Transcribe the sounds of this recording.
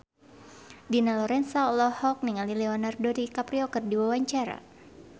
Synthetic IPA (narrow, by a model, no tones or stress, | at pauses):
dinalɔɾɛnsaɔlɔhɔk̚niŋalilɛɔnardɔdikapɾiɔkərdiwawaɲt͡ʃaɾa̰